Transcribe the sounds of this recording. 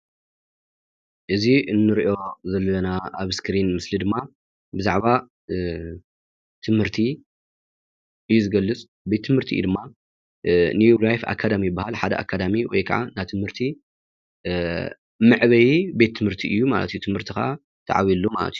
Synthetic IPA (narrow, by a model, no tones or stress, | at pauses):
ʔɨziɨnːɨɾiʔo̞zɐlːɐnaʔaβskɾinmɨslid̪ɨmːa | bɨzaʕβa | t̪ʰɨmhɨɾt̪ʰi | ʔɨjːuzɨɡɐlːɨt͡sʼ | be̞t̪ʰːɨmhɨɾt̪ʰḭɨ̰j̰d̪ɨmːa | nijulajfa̰kʰːad̪amijbːahalħad̪ɐ̰ʔa̰kʰːad̪amiwɔ̰jkʰa̰ʕa̰nat̪ʰɨmhɨɾt̪ʰi | mɨʕβɐjibe̞t̪ʰːɨmhɨɾt̪ʰiʔɨjːuma̰lɐ̰t̪ʰujut̪ʰɨmhɨɾt̪ʰika̰ | t̪ʰa̰ʕa̰βilːuma̰lɐ̰t̪ʰiju